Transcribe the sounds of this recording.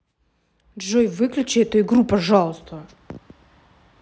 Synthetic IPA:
dʐojvɨklʲʉt͡ɕɛɛt̪uɪɡɾupɐʐalˠəst̪

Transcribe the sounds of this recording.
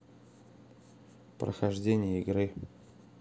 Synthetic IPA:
pɾə̰xɐʐdʲenʲɪjəɪɡɾɨ

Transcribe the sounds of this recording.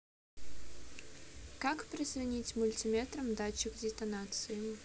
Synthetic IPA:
kakpɾʲɪzrɐnʲit͡sʲmʊlʲtʲimʲɛt̪ɾɐmd̪at͡ɕɪkdʲɪt̪ɐnat̪sɨjʊ

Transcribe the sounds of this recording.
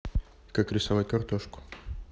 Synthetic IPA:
kakɾʲɪsɐvatʲkɐrt̪oʂkʊ̥

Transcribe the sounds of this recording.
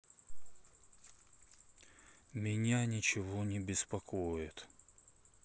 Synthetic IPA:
mʲɪnʲanʲɪt͡ɕɪvonʲɪbʲɪspɐkojɪt̪

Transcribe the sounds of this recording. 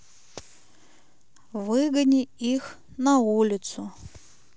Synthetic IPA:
vɨɡɐnʲiix | nɐulʲɪt̪sʊ

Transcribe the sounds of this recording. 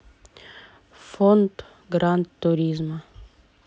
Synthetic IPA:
fɔnt̪ | ɡɾant̪ːʊɾʲizmɐ

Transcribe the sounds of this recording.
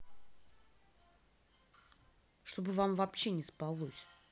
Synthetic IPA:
ʂt̪o̞bɨvamvɐpɕenʲɪspɐlˠosʲ

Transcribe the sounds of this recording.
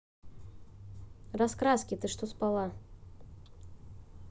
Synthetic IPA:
raskɾaskʲɪt̪ɨʂt̪ospalˠa

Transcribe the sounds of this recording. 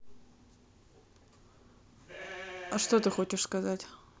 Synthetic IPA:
ɐʂt̪ot̪ɨxo̞t͡ɕɪʂskɐzatʲ

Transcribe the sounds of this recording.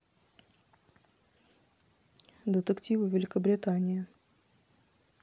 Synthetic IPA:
d̪ət̪əktʲivɨvʲɪlʲɪkəbɾʲɪt̪anʲɪjɪ

